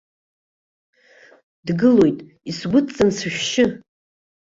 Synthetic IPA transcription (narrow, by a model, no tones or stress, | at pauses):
dɡɨlo̞jtʼ | isɡʷʊt͡sʼansʃᶣʃɪ